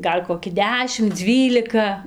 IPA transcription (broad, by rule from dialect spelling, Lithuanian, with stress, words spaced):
ˈɡɐlʲ koːˈkʲɪ ˈdʲæːʃʲɪm ˈd͡zʲʋʲiːlʲɪkɐ